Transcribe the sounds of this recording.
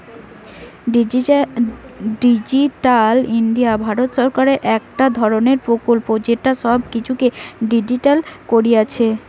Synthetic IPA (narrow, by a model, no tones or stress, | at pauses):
ɖid͡ʑiʈalinɖijabʱaɾot̪ʃɔɾkaɾeʔɛkʈad̪ʱɔɾoneɾpɾokolpod͡ʑeɾʈːaʃɔbkit͡ɕʰukeɖid͡ʑiʈalkoɾiat͡ɕʰe